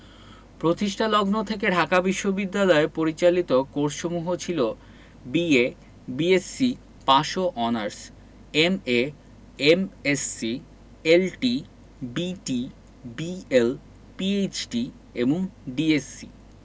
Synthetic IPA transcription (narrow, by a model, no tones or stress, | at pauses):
pɾot̪iʃʈʰalɔɡnot̪ʰek̬eɖʱakabiʃːobid̪ːalɔepoɾit͡ɕalit̪okoɾʃomuɦot͡ɕʰilo | bie | biesːi | paʃoʔɔnaɾs | eme | emesːi | elʈi | biʈi | biel | piejt͡ɕʈi | eboŋɖiesi